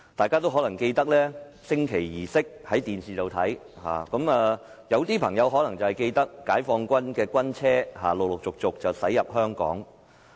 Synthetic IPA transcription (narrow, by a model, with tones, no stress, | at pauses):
t̪aː˨jkaː˥t̪o˥wɦɔː˨˥lɐ˨˩ŋke˧jt̪ɐ˥k̚lɛː˥ | sɪ˥ŋkʰe˨˩jːiː˨˩sɪ˥k̚hɐ˨˥jt̪iː˨nsiː˨˩t̪o˨wt̪ʰɐ˨˥jha̰ː˨kɐ˨˧˥maː˨˧ | jɐ˨˧wt̪iː˥pʰɐ˨˩ŋjɐ˨˧wɦɔ˨˥lɐ˨˩ŋt͡sɐ˨whɛ˨jke˧jt̪ɐ˥kːaː˨˥jfɔː˧ŋkʷɐ˥nkɛː˧kʷɐ˥nt͡sʰɛː˥ɦa̰ː˨˩lo˨w̚lʊ˨k̚t͡sʊ˨k̚t͡sʊ˨k̚t͡sɐ˨˩wsɐ˨˥jɐ˨p̚hœː˥ŋkɔ̰ː˨˥ŋ